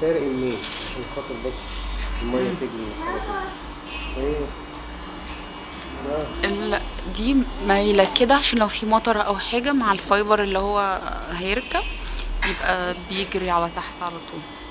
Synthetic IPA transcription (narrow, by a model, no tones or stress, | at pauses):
sæɾeʔelmeːnelxɑt̪ˤeɾbæsːelmæjːæt̪eɡni | ʔeː | læelæʔd̪iːmæjelækːed̪æʕaʃæːnlæwfiːmɑt̪ˤɑɾˤʔæwħeːɡæmaʕelfɑjbɑɾˤʔelːihowːæhæjeɾkæb̚jebʔæbejeɡɾiʕalæt̪aħt̪ʕalæt̪ˤʰuːl